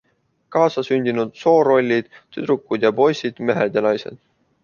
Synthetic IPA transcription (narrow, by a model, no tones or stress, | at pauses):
kɑːsɑsynʲd̪inud̪̥so̞ːɾo̞lʲːid̪̥t̪ːyd̪ɾukːˑud̪̥jɑpo̞jsid̪̥me̞ɦed̪̥jɑnɑjse̞̰d̪̥